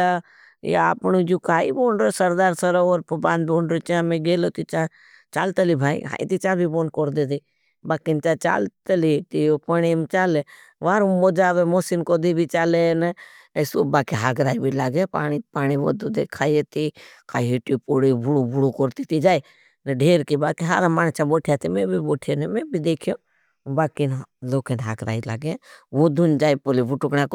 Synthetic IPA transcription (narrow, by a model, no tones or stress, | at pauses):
a | ḛa̰ːpnud͡ʒuːkaːḭboːnɾosɐɾd̪aːɾsɐɾooːɾpbãːnd̪̚boːnɖɾet͡ʃãːmẽɡeːloːt̪it͡ʃã | t͡ʃaːlt̪əlibʱaːḭɦa̰ːḭt̪it͡ʃãːbʱiboːnkoɾd̪et̪i | baːkint͡ʃat͡ʃa̰ːlt̪əlit̪iopəɽ̃imt͡ʃaːle | ʋaːɾumod͡ʒaːʋemoːsinkod̪ibʱit͡ʃaːlene | esubaːkiɦaːɡɾaːibʱilaːɡepaːɽ̃ipaːñiʋo̰d̪ud̪ekʰaːjet̪ikaiɦiʈipoɽibuɽubʱuɽukoɾt̪it̪id͡ʒaːi | neɖʱeːɾkibaːkiɦaɾamaːnt͡ʃaboːʈʰjat̪imebʱiboːʈʰijonemebʱid̪eːkʰijo | baːkinloːkenɦaːɡɾa̰ːila̰ːɡeʋod̪und͡ʒaːipolibuʈʊkɳãko